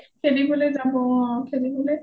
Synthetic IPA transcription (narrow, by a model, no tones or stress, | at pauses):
kʰeɹibɔlejzabɔkʰeɹibɔle